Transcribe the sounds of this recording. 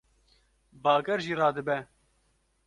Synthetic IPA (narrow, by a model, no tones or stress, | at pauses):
bɑːɡɛɾʒiːɾɑːd̪ɨbɛ